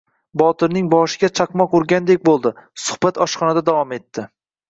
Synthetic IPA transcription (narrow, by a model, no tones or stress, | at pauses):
bɒt̪ʰɪɾnɪŋbɒʃɪɡʲat͡ʃʰɑqmɒqʊɾɡʲand̪ek̚ʲbolˠd̪ɪsʊ̥hbat̪ɒʃχɒnad̪ad̪avɒme̞t̪ːɪ